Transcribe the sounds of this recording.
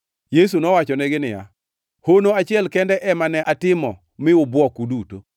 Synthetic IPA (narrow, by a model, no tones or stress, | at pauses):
jes̬unɔwat͡ʃɔnɛɡɪnɪja̰ | honoat͡ʃɪɛlkɛndɛʔɛmanɛʔatɪmɔ | mɪʊbwɔkuduto